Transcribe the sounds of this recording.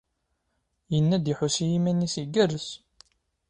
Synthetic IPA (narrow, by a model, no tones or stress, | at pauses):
jənːæd̪iħusijimænːisiɡærəs